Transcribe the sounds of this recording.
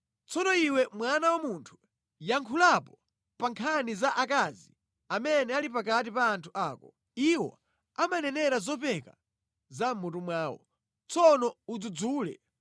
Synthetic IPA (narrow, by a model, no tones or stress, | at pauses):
t͡sɔnɔiwɛmwanawamuntʰu̥ | jaŋkʰulapɔ | paŋkʰanizaʔakazi | amɛnɛalipakatipaːntʰuʔaːkɔ | iwɔ̰ | amanɛnɛɾazɔpɛka̰ | zamutumwaːwɔ̰ | t͡sɔnɔud͡zud͡zuːlɛ̰